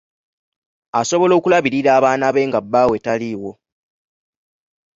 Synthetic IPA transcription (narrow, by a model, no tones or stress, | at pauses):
aso̞βo̞lo̞ːkulaβiɾiɾaːβaːnaβe̞ŋɡabːaːwe̞taliwo̞